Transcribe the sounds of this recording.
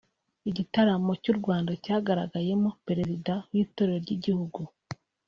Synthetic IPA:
iɟitaɾamo̞cuɾɡwaːndacaːɡaɾa̰ɡaje̞mo̞pe̞ɾe̞zidawiːto̞ɾe̞ɾoɾɟiɟihuɡu

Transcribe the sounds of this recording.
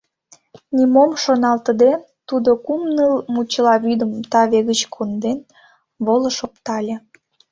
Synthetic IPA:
nʲimomʃonɑlt̪əd̪e | t̪ud̪okumnəlmut͡ɕlɑβyd̪əmt̪ɑβeɣət͡ɕkʰond̪en | βolə̆ʃopt̪ɑlʲe

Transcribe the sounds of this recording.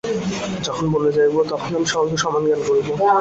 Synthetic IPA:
d͡ʑɔkʰonboled͡ʑajbot̪ɔkʰonamiʃɔok̪eʃɔmanɡankoɾibo

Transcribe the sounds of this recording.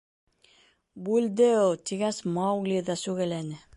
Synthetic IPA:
bʉld̪ɘut̪iɡæsmɑwɡlʲiðɑsʉɣælænɘ

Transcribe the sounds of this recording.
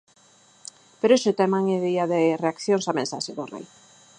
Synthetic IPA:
peɾeʃʊt̪ɛmaŋeðiaðereakθjoŋsamẽnsa̰ʃeðorḛj

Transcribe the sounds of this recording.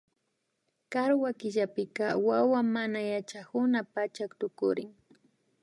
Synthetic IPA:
kaɾwakɪʎapɪkawawamanajat͡ʃakʊnapat͡ʃakt̪ʊkʊ̰ɾɪŋ

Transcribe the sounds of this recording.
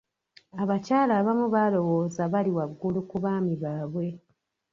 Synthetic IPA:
aβacaːlaːβamuβalo̞wo̞ːzaβaliwaɡulukuβaːmiβaːβwe̞

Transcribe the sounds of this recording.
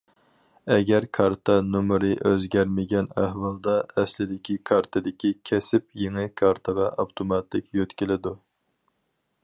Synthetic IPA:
ɛɡʲæɾkʰɑɾt̪ʰɑnumɾɨʔøzɡʲæɾmɪɡʲɛnæhwɑlˠd̪ɑɛslɪd̪ɪkʲʰikʰɑɾt̪ʰɨd̪ɪkʲikʲʰɛsɪp̚jeŋɨkʰɑɾt̪ʰəʁɑʔɑwt̪ʰomɑt̪ʰɪkʲjøt̪kʲilɪd̪u

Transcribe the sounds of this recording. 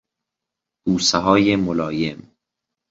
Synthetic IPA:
d̪̥uːseɦɒːjemolɒːjem

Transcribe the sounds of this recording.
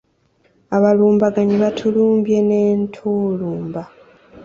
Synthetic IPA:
aβaluːmbaɡaɲiβatʰuluːmbje̞ne̞ːntʰuːluːmba

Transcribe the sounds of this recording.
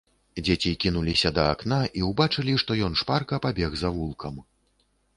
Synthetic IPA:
d͡zʲet͡sʲikʲinulʲisʲɐd̪ɐaknaʔiwbat͡ʂɐlʲiʂt̪ɔjɔnʂparkɐpabʲɛɣzɐvulˠkʰɐm

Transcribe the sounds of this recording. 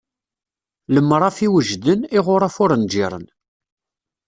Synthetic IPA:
ləmːɾˤɑfiwəʒd̪ənɪʁʊɾˤafʊɾənd͡ʒiɾˤə̰n

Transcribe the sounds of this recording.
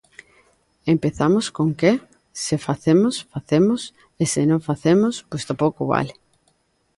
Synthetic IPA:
empeθamoskoŋke | sefaθemʊsfaθemʊs | esɪnõŋfaθemʊspost̪opowkʊβa̰lɪ

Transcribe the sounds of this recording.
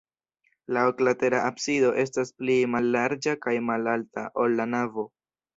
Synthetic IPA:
laoklate̞ɾaʔabsido̞ʔe̞s̬tasplimalːaɾd͡ʒakajmalaltaʔo̞lːanavo̞

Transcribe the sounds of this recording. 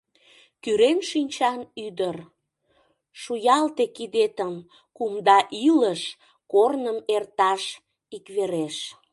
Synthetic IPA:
kyɾenʃinʲt͡ɕɑnyd̪ər | ʃujɑlt̪ekid̪et̪əm | kumd̪ɑʔiləʃ | kornəmert̪ɑʃ | ikβeɾeʃ

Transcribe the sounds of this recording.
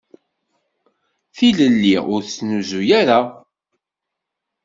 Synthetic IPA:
θiləlːiʊɾt͡sːnuzujæɾa

